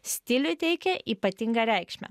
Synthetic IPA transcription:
sʲt̪ʲɪlʲʊt̪ʲɛɪkʲɛʔiːpɐt̪ʲɪŋɡɐɾʲɛɪkʃʲmʲɛ̰

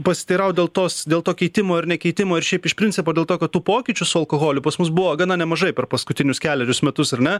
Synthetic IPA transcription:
pɐsʲɪ̥t̪ʲɪɾɐʊd̪ʲeːlˠt̪oːsd̪ʲeːlˠt̪oːkʲɛɪt̪ʲɪmoːɐɾnʲɛkʲɛɪt̪ʲɪmoːɪɾʃʲɛɪpɪʃpʲɾʲɪnʲt͡sʲɪpoːd̪ʲeːlˠt̪oːkɐt̪t̪uːpoːkʲɪt͡ʃʲʊsʊɐlˠkoːɣoːlʲʊpɐsmʊsbʊʋoːɡɐnɐnʲɛmɐʒɐɪpʲɛɾpɐskʊt̪ʲɪnʲʊskʲæːlʲɛɾʲʊsmʲɛt̪ʊsɐɾnʲɛ

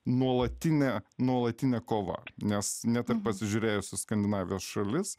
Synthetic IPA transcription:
nuɔlˠɐt̪ʲɪnʲɛnuɔlˠɐt̪ʲɪnʲɛːkoːʋɐ̰nʲɛsnʲɛt̪ʲɪrpɐsʲɪʒʲuːɾʲeːjʊsʲɪskɐnʲd̪ʲɪnɑːʋʲɪjoːsʃɐlʲɪs

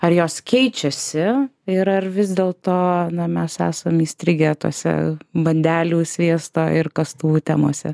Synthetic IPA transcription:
ɐɾjoːskʲɛɪt͡ʃʲɛsʲɪɪɾɐrʋʲɪzd̪ʲeːlˠt̪oːnɐmʲɛsæ̰ːsɐmiːsʲt̪ʲɾʲɪɡʲɛt̪oɔsʲɛ̰bɐnʲd̪ʲæːlʲuːsʲʋʲiɛst̪oːɪrkɐst̪uːʋuːt̪ʲæ̰ːmoːsʲɛ̰

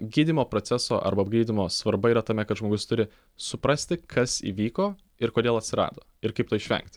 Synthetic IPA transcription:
ɡʲiːd̪ʲɪmoːpɾoːsʲæso̰ːʔɐ̰ɾbɐɐb̚ɡɾʲiːd̪ʲɪmoːsʋɐɾbɐiːɾɐt̪ɐmʲɛkɐt̪ʒmoːɡʊst̪ʊɾʲɪ | sʊpɾɐsʲt̪ʲɪkʰɐsḭːʋʲiːkoː | ɪɾkoːd̪ʲeːlˠɐt̪ʲsʲɪɾɑ̰ːd̪o̰ːɪɾkɐɪpt̪oːɪʃʲʋʲɛ̰ŋkt̪ʲ

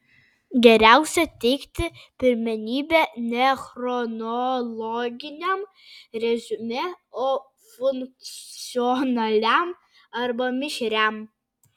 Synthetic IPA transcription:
ɡʲɛɾʲæˑʊsʲɛt̪ʲɛɪkt̪ʲɪpʲɪɾʲmʲɛnʲiːbʲeːnʲɛxɾɔnɔlˠɔɡʲɪnʲɛm | ɾʲɛzʲʊmʲɛoː | fʊŋk̚t͡st͡sʲɪɔnɐlʲæm | ɐɾbɐmʲɪʃʲɾʲæm

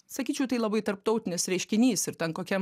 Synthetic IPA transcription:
sɐkʲiːt͡ʃʲɛʊt̪ɐɪlˠɐbɐɪt̪ɐɾpt̪ɐʊt̪ʲɪnʲɪsɾʲɛɪʃʲkʲɪnʲiːsɪɾt̪ɛnkoːkʲɛm

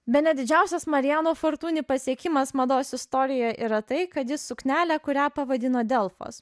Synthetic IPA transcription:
bʲɛt̪nʲɛd̪ʲɪd͡ʒʲæˑʊsʲɛsmɐɾʲɪjæːnoːfoɾt̪uːnʲipɐsʲiɛkʲɪmɐsmɐd̪oːsɪst̪oːɾʲɪjɛʔḭːɾɐt̪ɐɪkɐt̪jɪssʊknʲæːlʲækʊɾʲæːpɐʋɐd̪ʲɪnoːd̪ʲɛlˠfo̰ːs

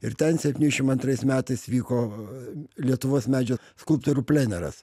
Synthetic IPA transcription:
ɪɾt̪ʲɛnsʲɛpʲtʲinʲɪʃʲɪmɐnt̪ɾɐɪsmʲæːt̪ɐɪsʋʲiːkoː | lʲiɛt̪ʊʋoːsmʲæːd͡ʒʲɛskʊlˠpt̪oɾupʲlʲenʲɛɾɐ̰s

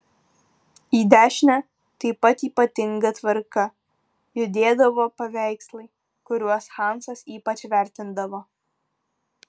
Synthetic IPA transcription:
iːd̪ʲæːʃʲnʲæ | t̪ɐɪpɐt̪iːpɐt̪ʲɪŋɡɐt̪ʋɐɾkɐ | jʊd̪ʲeːd̪ɐʋoːpɐʋʲæˑɪkslˠɐɪ | kʊɾʲuɔsxɑˑnsɐsiːpɐt͡ʃʲʋʲæˑɾʲt̪ʲɪnd̪ɐʋoː

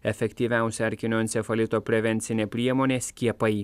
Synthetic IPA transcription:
ɛfʲɛkʲt̪ʲiːʋʲæˑʊsʲɛɐɾʲkʲɪnʲoːnsʲɛfɐlʲɪt̪oːpʲɾʲɛʋʲɛnʲt̪sʲɪnʲeːpʲɾʲiɛmoːnʲeːsʲkʲiɛpɐɪ

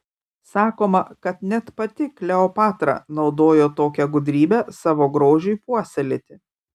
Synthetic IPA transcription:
sɑːkoːmɐkɐt̪nʲɛt̪pɐt̪ʲɪklʲɛoːpɑːt̪ɾɐ̰nɒʊd̪oːjoːt̪oːkʲɛɡʊd̪ʲɾʲiːbʲɛsɑːʋoːɡɾoːʒʲʊɪpuɔsʲɛlʲet̪ʲɪ

